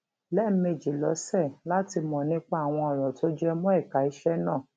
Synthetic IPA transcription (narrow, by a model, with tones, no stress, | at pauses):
lɛ˦˨˦me˨d͡ʒi˨lɔ˨˦sɛ˦˨la˦ti˧mɔ̃˨nĩ˦k͡pa˦a˦˨w̃ɔ̃˧ɔ˨ɾɔ˨to˨˦d͡ʒɛ˦mũ˦ɛ˦˨ka˨˦i˧˦ʃɛ˦nãː˦˨